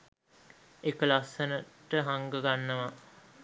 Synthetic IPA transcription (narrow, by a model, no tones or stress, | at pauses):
ekəlasənəʈəɦaŋɡəɡanːəʋa